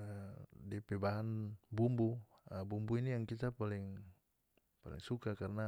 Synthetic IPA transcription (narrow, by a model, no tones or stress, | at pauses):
dipebaɦanbumbu | əbumbuinijaŋkit̪apalɪŋ | pa̰lɪ̰ŋsukakarəna